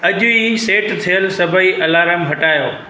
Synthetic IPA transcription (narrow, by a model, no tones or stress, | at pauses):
ɐʄʊiseːʈt̪ʰijəlsɐbʱəiʔɐlaːɾəmɦɐʈaːjoː